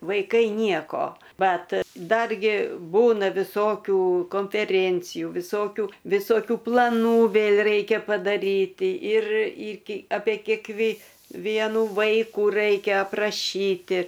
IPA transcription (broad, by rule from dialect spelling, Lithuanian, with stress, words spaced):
ʋɐɪˈkɐɪ ˈnʲiɛkoː ˈbɐt ˈdɐrʲɡʲɪ ˈbuːnɐ ʋʲɪˈsoːkʲuː koːnʲfʲɛˈrʲeːnʲt͡sʲɪjuː ʋʲɪˈsoːkʲuː ʋʲɪsoːˈkʲuː plˠɐˈnuː ˈʋʲeːlʲ ˈrɐɪkʲɛ pɐdɐˈrʲiːtʲɪ ɪr ɪkʲɪ ɐpʲeː kʲeːkˈʋʲeː ˈʋʲiɛnʊ ˈʋɐɪkuː ˈrɐɪkʲɛ ɐprɐˈʃʲiːtʲɪ